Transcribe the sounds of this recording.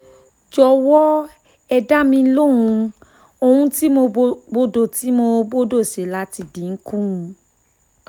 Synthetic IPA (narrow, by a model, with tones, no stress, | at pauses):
d͡ʒɔ˧wɔ˦ | ɛ˧da˦mĩ˧˦lõ˦˨ũ˧ | o˧hũ˧ti˦mo˧bo˦do˦˨ti˨˦mo˧bo˦do˦˨se˨˦la˦ti˧dĩ˨˦ŋ̩˦kũ˦ũ˧